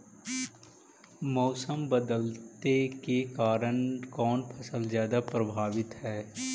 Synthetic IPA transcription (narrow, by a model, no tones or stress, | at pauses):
mɔːsəmbəd̪əlt̪ekekaːɾənkɔːnpʰɐsəlzjaːd̪apɾɐbʱaːʋɪt̪ɦɛː